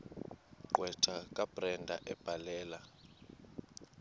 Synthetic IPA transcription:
ǃʼwɛǀʰakʼab̥ʱrɛndʱaʔɛb̥ʱalɛːla

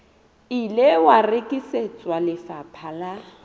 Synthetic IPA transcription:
ilewarekʼiset͡sʼwalɪfapʰala

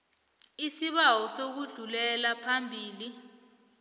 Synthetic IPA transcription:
isiɓawɔsok̬uɮulɛlapʰambʱiːli

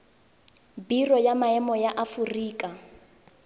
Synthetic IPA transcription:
birɔjamaɛmɔjaʔafuriːkʼa

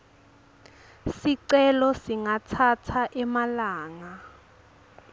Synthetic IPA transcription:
siǀɛlɔsiŋatʰatʰaʔɛmalaːŋa

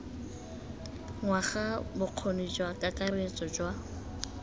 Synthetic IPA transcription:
ŋwaχabʊq͡χʰonid͡ʒwakʼakʼaret͡sʼɔd͡ʒwa

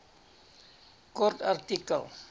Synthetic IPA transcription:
kɔrtartikə̰l

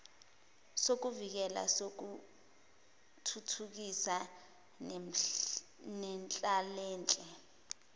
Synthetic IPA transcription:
sok̬uvik̬ɛla̰sok̬u | tʰutʰuk̬isa | nɛnt͡ɬʼalɛːnt͡ɬʼɛ

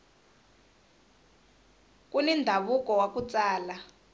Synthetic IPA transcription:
k̬ʼunɛndʱaβuk̬ʼɔwakut͡sʼaːla

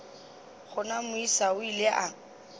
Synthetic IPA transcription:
χʊnamʊisaʊileʔa

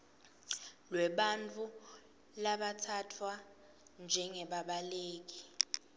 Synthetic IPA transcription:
lwɛɓant͡fʰʼu | laɓatʰatʰwa | nd͡ʒʱɛŋɛɓaɓaleːk̬i̥

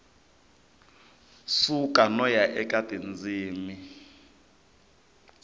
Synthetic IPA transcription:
sukʼanɔjaʔɛkʼad̥ʱind͡ziːmi

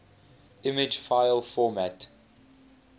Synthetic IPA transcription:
ʔɪmɪd͡ʒfaɪlfɔmæt

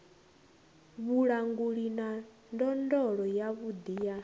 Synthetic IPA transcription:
βuɺaŋɡuɺina | ndɔndɔɺɔjaβud̪ija

